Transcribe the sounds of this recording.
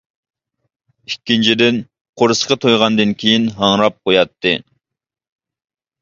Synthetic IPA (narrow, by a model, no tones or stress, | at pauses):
ikʲːint͡ʃʰid̪ɪn | qʰoɾɨsqɑt̪ʰojʁɑnd̪ɨnkʲʰejinɦɑŋɾɑp̚qojɑt̪ːɨ